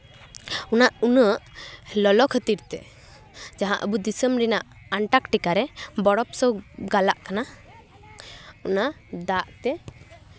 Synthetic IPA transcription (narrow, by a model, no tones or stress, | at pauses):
unaʔunəʔlɔlɔkʰət̪iɾt̪ɛ̰ | d͡ʒaɦãʔə̰bud̪isəmɾinaʔ | aɳʈakʈikaɾɛbɔɽɔpsɔɡalaʔkana | unaʔd̪aʔt̪ɛ